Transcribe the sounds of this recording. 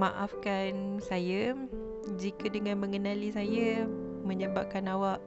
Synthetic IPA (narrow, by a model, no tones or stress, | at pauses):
maʔafkansaja | d͡ʒikadəŋãnmə̃ŋənãlisaja | mə̃ɲəbap̚kanawaʔ